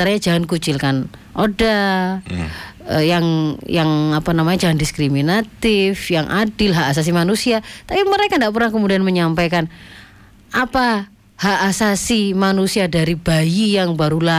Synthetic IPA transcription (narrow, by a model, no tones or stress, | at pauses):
aɾaɲad͡ʒaɦankut͡ʃɪlkan | ʔoda | əjaŋjaŋapanamaɲad͡ʒaɦandiskɾiminat̪ɪfjaŋʔa̰dɪlɦaʔːs̬as̬imanusiat̪apiməɾekandaʔp̬ərnahkəmudianməɲampajkan | ʔapa | haʔːsasimanusiadaɾibajijaŋbaɾula